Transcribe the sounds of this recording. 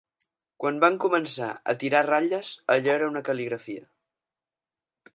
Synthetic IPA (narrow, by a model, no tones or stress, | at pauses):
kwanbaŋkumənsa̰ə̰t̪iɾaraʎəzəʎɛɾəunəkəliɣɾəfiə̰